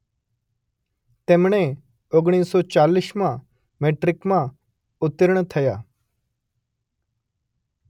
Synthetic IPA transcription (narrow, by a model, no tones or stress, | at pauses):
t̪emɳ̃e | oɡɽ̃iːssɔt͡ɕaliːsmã | meʈɾɪkmã | ʊt̪ːəɾəɳ̃t̪ʰəjaː